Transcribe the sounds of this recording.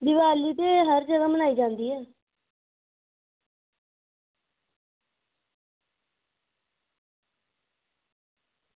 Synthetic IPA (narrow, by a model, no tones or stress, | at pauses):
d̪ɪʋaːliːt̪eːɦəɾd͡ʒəɡaːmənaːiːd͡ʒãːnd̪iːɦɛː